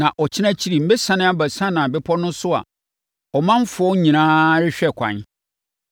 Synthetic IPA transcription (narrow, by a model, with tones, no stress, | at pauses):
nã˨ʔɔ˨t͡ɕʰɪ˦nã˦t͡ɕʰi˦ɾi˨m̩˦be˦sã˨nɪ̃˦a˦bæ˨sã˦nã˨bɛ˦pʰɔ˦nʊ̃˦sʊ˦a̰˨ | ɔ˨mã˦m̩˦fʊ˨ɔ˦ɲĩ˨nãː˦ɾɪ˦ɕᶣɛ˦˨kʷʰã̰˨n